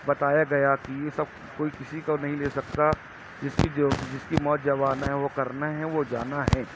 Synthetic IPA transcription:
bɐt̪aːjaɡɐjakijesɐb̚ | koːikɪsikanɐɦĩleːsɐkt̪a | d͡ʒɪskid͡ʒːd͡ʒɪskimɔːt̪̚d͡ʒɐʋaːnaɦɛʋokɐɾnaɦɛ̃ʋod͡ʒaːnaɦɛ̃ː

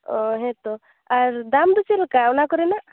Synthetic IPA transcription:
ɔɦɛ̃t̪ɔ | aɾd̪amd̪ut͡ʃelkaɔnakɔɾɛna

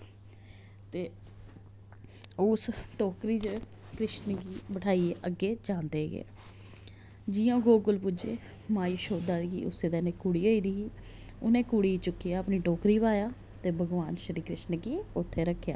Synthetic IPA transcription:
t̪eː | ʊsʈoːkɾiːt͡ʃ | kɾɪʃnɡiːbəʈʰaːiːeʔəɡːeːd͡ʒãːnd̪eːɡ̰ḛː | d͡ʒiːjõːɡoːɡʊlpʊd͡ʒḛː | maːjiʃoːd̪aːɡḭːʊ̰seːd̪ɛːneːkuɽiːoːiːd̪iː | ʊnẽːkuɽiːt͡ʃʊkːiːaːəpniːʈoːkɾiːbaːjaː | t̪eːbʱəɡʋaːnʃəɾiːkɾɪʃnəɡiʊt̪ʰːeːɾəkʰːja̰ː

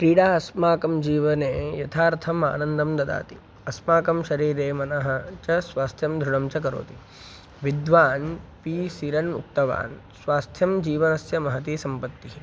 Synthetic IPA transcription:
kɾiːɽaːɐsmaːkɐmd͡ʒiːʋɐneːjɐt̪ʰaːɾt̪ʰɐma̰ːnɐnd̪ɐmd̪ɐd̪a̰ːt̪i | ɐsmaːkɐmʃɐɾiːɾeːmɐnɐɦɐ̆t͡ʃɐsʋaːst̪ʰjɐmd̪ʱɾuɳɐmt͡ʃɐkɐɾo̰ːt̪i | ʋid̪ʋaːnpiːsiɾɐnmṵk̚t̪ɐʋa̰ːn | sʋaːst̪ʰjɐmd͡ʒiːʋɐnɐsjɐmɐɦɐt̪isɐmpɐt̪ːiɦi

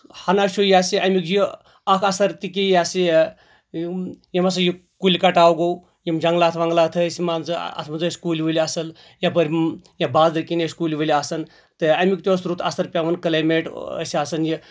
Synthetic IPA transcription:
hanaʃujaːsiʔɐmikji | akʰɐsɐɾt̪ikʲijasi | jemɐs̬ɐji | kulʲkɐʈaːwɡow | jimd͡ʒɐŋɡlaːt̪ʰʋɐŋɡlaːt̪ʰɐəsimaːnt͡sɨ̰ɐ̰t̪ʰmɐnzɨskuːlʲiʋəlʲasɐl | jabəɾʲjabaːzd̪ɐkʲineskulʲʋəlʲiasɐn | t̪ɨɐmikt̪ʲosɾut̪ʰa̰sɐɾpʲaʋɐnkɐlaːjmeʈə̰sasɐnji

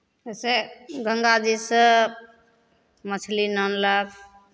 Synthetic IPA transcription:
eseɡʱəŋɡad͡ʒisə | mət͡ʃʰlinənləbʰ

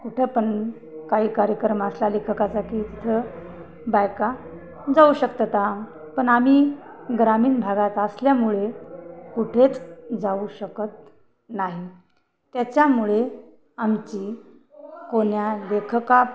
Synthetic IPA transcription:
kuʈʰepəɳ | kaɦiːkaɾjəkɾəmaəslalekʰəkat͡sakiːt̪it̪ʰə | bajka | d͡zauɕəkt̪ət̪a | pəɳam̤iː | ɡɾamiːnbʱaɡat̪əsljamuɭekuʈʰet͡sd͡zauɕəkət̪̚ | naɦi | t̪jat͡ɕjamuɭe | amt͡ɕiː | koɳjalekʰka

